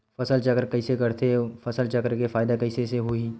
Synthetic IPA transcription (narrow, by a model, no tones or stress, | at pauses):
fɐsəlt͡ʃɐkɾkɐɪsekɐɾt̪ʰefɐsəlt͡ʃɐkɾkefaːɪd̪akɐɪseseɦui